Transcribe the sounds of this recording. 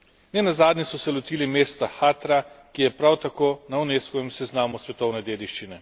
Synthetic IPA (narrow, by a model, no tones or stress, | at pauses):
nɛnazaːd̪nʲisɔsɛlɔt̪iːlimeːst̪axaːt̪ɾakijɛpɾawt̪akoːnauneːskɔʋɛmsɛznaːmusʋɛt̪ɔwnɛd̪eːd̪iʃt͡ʃinɛ